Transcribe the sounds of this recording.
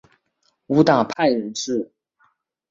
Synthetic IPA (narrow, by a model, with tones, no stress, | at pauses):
u˧˥t̪a˥˩pʰa˥˩ɪɻə˧˥nʈ͡ʂɻ̩˥˩